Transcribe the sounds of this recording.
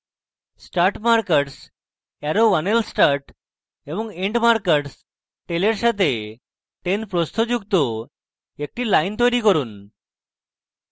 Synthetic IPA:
sʈaɾʈmaɾkeʈs | ɛɾowanelsʈaɾʈ | eboŋeɳɖmaɾkeʈs | ʈeleɾʃat̪ʰe | ʈenpɾost̪ʰod͡ʑukt̪o | ek̚ʈilajnt̪ojɾikoɾun

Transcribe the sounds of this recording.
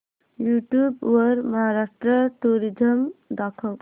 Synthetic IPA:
juʈjubwəɾməɦaɾaʂʈɾəʈuɾid͡ʒəmd̪akʰəl

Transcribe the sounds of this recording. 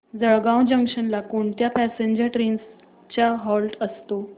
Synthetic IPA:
d͡zəɭɡãw̃d͡ʑəŋkʂənlakoːnt̪japæseɲd͡ʑəɾʈɾens | t͡ɕjaɦɔlʈəst̪o

